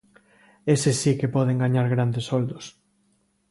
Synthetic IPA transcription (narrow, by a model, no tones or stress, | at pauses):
esesikepɔðeŋɡaɲaɾɣɾand̪esɔld̪ʊs